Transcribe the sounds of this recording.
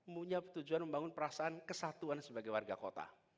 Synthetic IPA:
muɲapət̪ud͡ʒuanməmbaŋʊnpəɾasaankəsat̪uansəbaɡajwarɡako̰t̪a̰

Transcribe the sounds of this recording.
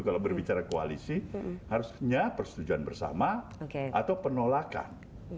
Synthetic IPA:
kalabərbit͡ʃaɾakoa̰lisihaɾusɲapərsə̥t̪ud͡ʒuanbərsa̰maokea̰t̪awpənolaka̰n

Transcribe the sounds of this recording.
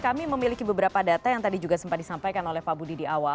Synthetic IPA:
kamiməmilikibəbəɾapadat̪ajaŋt̪adid͡ʒuɡasəmpat̪̚disampajkanolɛhpabudidiawa

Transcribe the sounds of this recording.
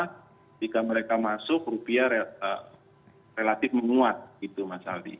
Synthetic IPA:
d͡ʒikaməɾekamasʊk̚rupiaɾeə̰ | relat̪ɪfməŋuat̪̚ɡit̪umasa̰ldḭ

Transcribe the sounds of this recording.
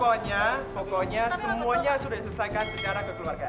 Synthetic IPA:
ɔɲapɔkɔɲasəmuaɲasudadisəsaŋkansət͡ʃaɾakəkluarɡa

